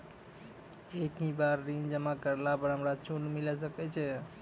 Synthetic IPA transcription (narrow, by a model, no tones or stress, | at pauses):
ekɦĩbaɾːind͡ʒəmakəɾlapəɾɦəmɾat͡ʃonmilɛs̬əkɛt͡ʃʰɛ